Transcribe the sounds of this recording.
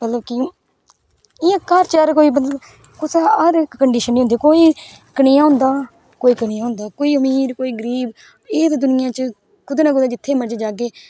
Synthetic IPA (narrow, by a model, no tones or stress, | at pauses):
mət̪ləbkɪ | ɪjãːkəɾt͡ʃəɾkoːiːmət̪ləb | kʊsəɾkːəɳɖiːʃənːiːɦʊnd̪eːkoːiː | kənɪjãːɦʊ̃nd̪aː | koːiːkəɽɪjãːɦʊ̃nd̪aːkoːiːəmiːɾkoːiːɡəɾiːb | eːt̪d̪ʊnɪjãːt͡ʃə | kʊd̪eːnaːkʊd̪aːd͡ʒɪt̪ʰːeːməɾd͡ʒd͡ʒaːɡeː